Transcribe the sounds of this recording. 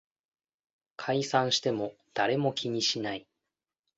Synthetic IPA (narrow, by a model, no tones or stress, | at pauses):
kʰaisãɰ̃ɕi̥t̪e̞mo̞ | d̪̥aɾe̞mo̞kʲʰiɲ̟iɕinai